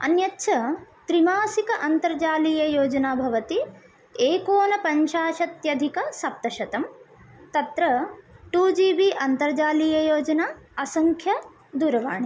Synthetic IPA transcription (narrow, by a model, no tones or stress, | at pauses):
ɐ̰njɐtːʃʰɐt̪ɾimaːsikɐʔɐnt̪ɐɾd͡ʒaːliːjɐjoːd͡ʒɐnaːbʱɐʋɐt̪i | eːkoːnɐpɐɲʃaːʃɐt̪jɐd̪ʱikɐsɐp̚t̪ɐʃɐt̪ɐm | t̪ɐt̪ɾɐʈuːd͡ʒiːbiʔɐnt̪ɐɾd͡ʒaːlijɐjoːd͡ʒɐnaːɐsɐŋkʰjɐ | d̪uːɾɐʋa̰ːɳi